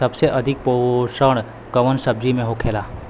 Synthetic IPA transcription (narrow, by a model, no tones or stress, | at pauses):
sɐbseʔɐd̪ʱɪk̚poʃəɽ̃ | kəʋənsəb̚d͡ʒimẽɦokʰeːlaː